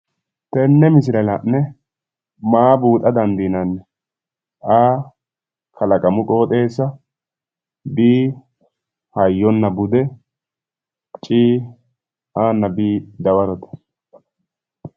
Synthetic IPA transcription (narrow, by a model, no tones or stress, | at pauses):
t̪ɛnːɛmɪsɪɾɐlɐnːɛ | maːbuːt̪ʼɐd̪ɐnd̪iːnɐnːɛ | ʔaː | kʰɐlɐkʼɐmʊkʼo̞ːt̪ʼe̞ːsːɐ | biː | hɐjːɔnːɐbʊd̪ɛ | t͡ʃʼiː | ʔaːnːɐbiːd̪ɐwɐɾɔt̪ɐ̥